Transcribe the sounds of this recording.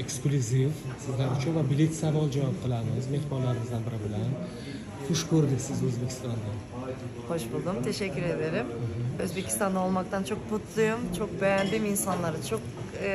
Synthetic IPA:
eksklʲuzifsɪzlaɾʊt͡ʃʰʊnvabɪlɪkʲsavɒlˠd͡ʒavɒp̚qʰɨlˠamɪɪzme̞hbɒɾlaɾɪmɪzd̪anbɪɾɪbɪlan | χʊʃkʰɵɾd̪ɪkʲsɪzɵzbe̞kʲʰi̥st̪ɒnd̪a | χoʃbulˠd̪umt̪ʰe̞ʃɛkʲʰːyɾed̪e̞ɾɪm̩ɦøzbe̞kʲʰi̥t̪ɑnd̪aolˠmɑk̚t̪ʰant͡ʃʰok̚but̪ʰlˠujumt͡ʃʰok̚bejanb̪iminsanlˠaɾɯt͡ʃʰok̚

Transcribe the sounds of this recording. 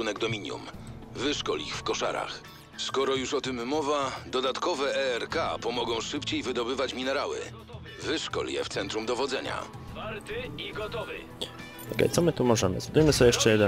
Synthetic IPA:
unɛɡd̪ɔmʲiɲjṵm | vɘʂkɔlixfkɔʂa̰ɾa̰x | skɔɾɔjuʂɔt̪ɘmːɔvad̪ɔd̪at̪kɔvɛɛɾkapɔmɔɡɔ̃w̃ʂɘpt͡ɕejvɘd̪ɔbɘvat͡ɕmʲinɛɾawɘ̰ | vɘʂkɔ̰ljɛ̰ft̪sɛnt̪ɾumd̪ɔvɔd̪zɛɲa̰ | vaɾt̪ɪiɡɔt̪ɔvɪ | ɔkɛ̰jt̪sɔmɘt̪umɔʐɛmɘ̰zɔd̪ujmɘsɔjɛʂt͡ʂɛjɛd̪ɛ

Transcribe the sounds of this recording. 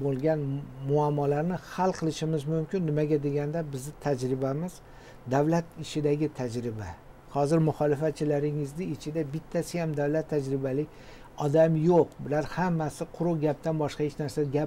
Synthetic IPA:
bolˠɡʲanmʊamːɒlaɾnɪhalˠqʰɨlˠɪʃɪmɪzmʊmkʲɪnːɪmaɡʲad̪e̞ɡʲand̪abɪzd̪ɪt̪ʰad͡ʒɾɪbamɪz | d̪awlat̪ɪt͡ʃʰɪd̪aɡʲɪt̪ʰad͡ʒɾɪba̰ | hɒzɪɾmʊχɒlɪfat̪̚t͡ʃʰɪlaɾɪŋɪzd̪ɪɪt͡ʃʰɪd̪abɪt̪ʰːasɪjamd̪awlat̪ʰːad͡ʒɾɪbalɪkʲ | ɒd̪amjoqbɪlaɾhamːasɪqʰʊɾʊɡʲap̚t̪anbɒʃqɑhet͡ʃnaɾsaɡʲa

